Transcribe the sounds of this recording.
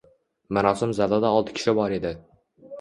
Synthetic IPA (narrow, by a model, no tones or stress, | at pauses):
maɾɒsɪmzalɒd̪aɒlˠt̪ʰɪ̥kʲʰʃɪbɒɾe̞d̪ɪ